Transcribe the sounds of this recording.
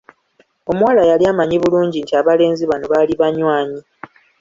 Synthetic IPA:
o̞muwalajaliamaɲiβuluːɲɟintiaβale̞ːnziβanoβaliβaɲwaːɲi

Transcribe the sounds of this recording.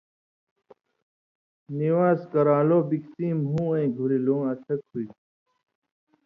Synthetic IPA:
niwaːskɐɾaːloːbikt͡siːmɦũːẽːɡʱuɾilõːɐt̪ʰɐk̚hui

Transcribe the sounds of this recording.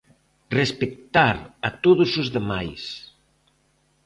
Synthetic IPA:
respek̚t̪aɾat̪oðʊsozðemajs

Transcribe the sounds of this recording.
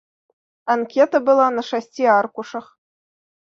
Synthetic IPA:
ɑnkʲet̪ə̆bɤ̆lˠɑnɤ̆ʂɑsʲtʲiɑrkuʂɤ̆χ

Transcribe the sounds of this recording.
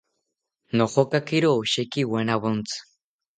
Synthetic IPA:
noχokakiɾoʃekiwanaβont͡sɨ̥

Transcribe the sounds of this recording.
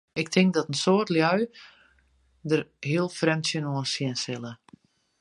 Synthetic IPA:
ɪk̚tʰɪŋk̚dɔtən̩soːərtljœɥ | dərhiəlˠfrɛmtsjənoənsjɪənsɪlˠə

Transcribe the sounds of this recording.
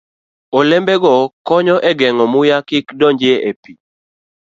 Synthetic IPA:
olɛmbɛɡɔkɔɲɔʔɛɡɛŋɔmʊjakɪkdɔɲd͡ʒeepi

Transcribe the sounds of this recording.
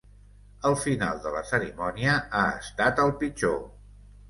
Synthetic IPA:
əlˠfina̰lˠd̪ələsəɾimɔniəaə̰st̪at̪əlˠpid͡ʒo

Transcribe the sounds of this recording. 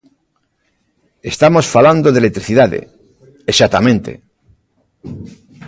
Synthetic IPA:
e̞st̪amosfaland̪oðelet̪ɾiθiðaðḛ | esat̪amẽnt̪ḛ

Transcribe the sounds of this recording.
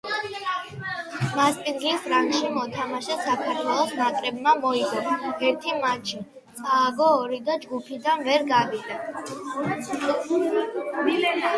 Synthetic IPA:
maspʼinɡlisɾaŋɡʃimɔt̪ʰamaʃɛsakʰaɾt̪ʰwɛlˠɔsnakʼɾɛbmamɔiɡɔnɛɾt̪ʰimat͡ʃʰi | saːɡɔːɾid̪ad͡ʒɡupʰid̪anvɛɾɡad̪id̪a

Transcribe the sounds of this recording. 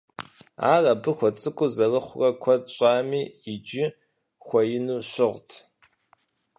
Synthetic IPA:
a̰ːrɐbɨxʷɔt͡sʼɨkʷʼʊzɐrɨχʷʊrɐkʷʰɔɕʼaːmiːɪd͡ʒɪ | xʷɐjɪnuːɕɪʁtʰ

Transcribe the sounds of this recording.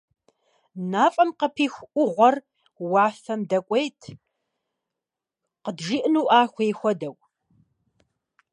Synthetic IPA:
naːfʼɐmqəpʰiːxʷʔʷʊʁʷɔr | wɑːfɐmdɐkʷʼejtʰ | qədʒiːʔnuːʔaːxʷeːxʷɔdɐw

